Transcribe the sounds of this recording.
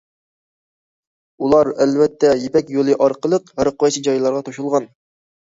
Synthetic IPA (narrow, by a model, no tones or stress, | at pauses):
ulˠɑɾɛlvɛt̪ʰːɛjepɛkʲjolˠɨʔɑɾqəlˠəqɦæɾəqʰʊwɛjt͡ʃʰid͡ʒɑjlˠɑɾʁɑt̪ʰoʃulˠʁɑn